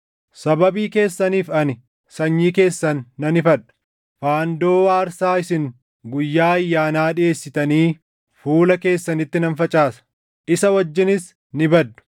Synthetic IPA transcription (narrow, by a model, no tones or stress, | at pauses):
sɐbɐbiːke̞ːsːɐniːfɐnɪ | sɐɲːiːke̞ːsːɐnːɐnɪfɐᶑɐ̥ | faːnd̪oːwaːɾsaːɪsɪŋ | ɡʊjːaːɐjːaːnaːᶑɪe̞ːsːɪt̪ɐniː | fuːlɐke̞ːsːɐnɪt̪ːɪnɐnfɐt͡ʃʼaːsɐ̥ | ʔɪsɐwɐd͡ʒːɪnɪs | nɪbɐd̪ːʊ̥